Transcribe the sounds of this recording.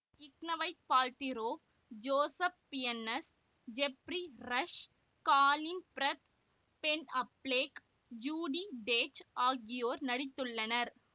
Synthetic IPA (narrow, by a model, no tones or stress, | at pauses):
ɪknɐʋɐɪtpaːlt̪ɪɾoː | d͡ʒoːsɐpːɪjɐnːɐs | d͡ʒɛpɾiɾɐʂ | kaːlɪnpɾɐt̪ | pɛnɐpleːk | d͡ʒuːɽiɖeːt͡ʃaːɡɪjoːɾnɐɽɪt̪ːɯɭːɐnɐɾ